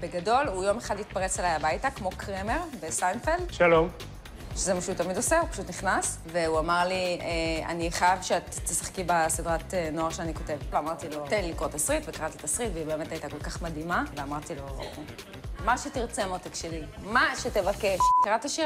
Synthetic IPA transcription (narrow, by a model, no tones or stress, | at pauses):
beɡado̞lujo̞meχadit̪̚paʁet͡selajabajtakmo̞kʁemeʁbesajnfelʃalom | ʃezemaʃutamido̞seupḁʃut̪niχnas | veuamaʁliea̰niχajavʃeat̪ːesḁχkibasidʁat̪enoaʁʃeaniko̞te̞vveamaʁt̪ilot̪enlilikʁot̪asʁitvekaʁat̪it̪asʁitveibeemetajit̪ako̞lkaχmad̪imaveamaʁt̪ilo̞ | maʃetiʁt͡semot̪ekʃelimaʃetevakeʃkaʁataʃi